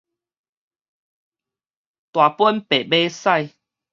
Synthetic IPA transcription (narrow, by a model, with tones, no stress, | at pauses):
t̪wa˨˩pwə˦npe˨˩be˦sa˥˧j